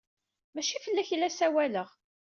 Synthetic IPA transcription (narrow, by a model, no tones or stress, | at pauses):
mæʃifəlːæçlːæsæwæləʁ